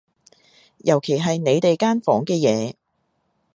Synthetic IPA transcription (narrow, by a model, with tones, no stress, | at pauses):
jɐ˨˩wkʰe˨˩jɦɐ˨jne˨˧jt̪e˨jkaː˥nfɔː˨˥ŋkɛː˧jɛː˨˧